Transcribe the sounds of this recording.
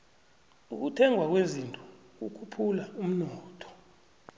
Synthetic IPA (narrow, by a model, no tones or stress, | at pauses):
uk̬utʰɛŋʱwak̬wezintʼu | k̬ṵkʰupʰulaum̩nɔːtʰɔ̥